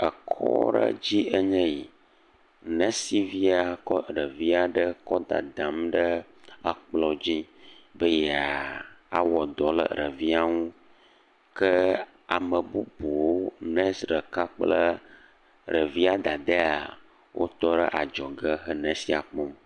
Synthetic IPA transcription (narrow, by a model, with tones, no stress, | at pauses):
ə˨kʰɔ̰˦ɖə̰˦d͡ʑi˦ə˦ɲɛ̃˦ji˨ | nə̃˦si˨vi˦a˨kɔ˦ɖə˨vi˦a˨ɖə˦kɔ˦d̪a̰˨d̪ã˨mɖə˦ | ə˦k͡plɔ˦d͡ʑi˦bə˦jɛ˦a˨a̰˦wɔ˨d̪ɔ˨lə̰˨ɾə˨vi˦a˦ŋũ˦ | kə˦ | a˨mə˨bu˦bo˨wo˦nɛ̃˦sɖə˨ka˦k͡plə˦ | ɾə˨vi˦a˦d̪a˨d̪ə˦a˨ | wʔo̰˦t̪ɔ˦ɖə˦ʔa˨d͡ʒɔ˨ɡə˦ɦə˦nɛ̃˨si˦a˨k͡pɔ˦m